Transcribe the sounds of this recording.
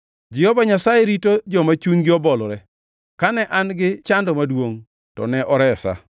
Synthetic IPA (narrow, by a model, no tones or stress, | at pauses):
d͡ʒɪhɔvaɲasajɛɾitod͡ʒɔmat͡ʃuɲɡɪɔbɔlɔɾɛ | kanɛʔanɡɪt͡ʃandɔmadwoŋ | tɔ̰nɛʔɔɾɛsa̰